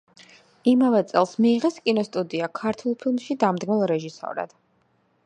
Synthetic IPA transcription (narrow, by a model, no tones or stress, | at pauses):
imavɛt̪sʼɛlˠsmiːʁɛskʼinɔst̪ʼud̪iakʰaɾt̪ʰulˠpʰilˠmʃid̪amd̪ɡmɛlˠɾɛʒisɔ̰ɾa̰d̪̥